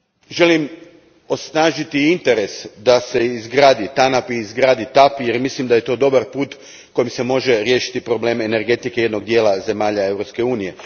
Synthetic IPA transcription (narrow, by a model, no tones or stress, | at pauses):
ʒe̞lim | o̞snaːʒit̪iint̪e̞ɾe̞sd̪ase̞izɡɾaːd̪it̪anapiːzɡɾaːd̪it̪apje̞ɾmislimd̪aje̞t̪o̞ːd̪o̞baɾpuːt̪ | ko̞jimse̞mo̞ʒe̞ɾjeːʃi̥t̪ipɾo̞ble̞ːme̞ne̞ɾɡe̞t̪ike̞je̞d̪no̞ɡd̪jeːlaze̞maːʎae̞wɾopske̞uːnije̞